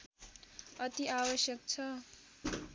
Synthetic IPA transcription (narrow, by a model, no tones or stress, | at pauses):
ʌt̪iʔabʌsjʌk̚t͡sʰʌ